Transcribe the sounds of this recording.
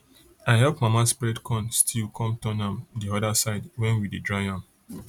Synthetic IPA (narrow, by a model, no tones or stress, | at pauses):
aɪɦɛlpmamaspɹɛdkʰɔ̃nstʰilkʰɔ̃mtɔ̃nãmdiɔdasaɪdwɛ̃nwididɹaɪãm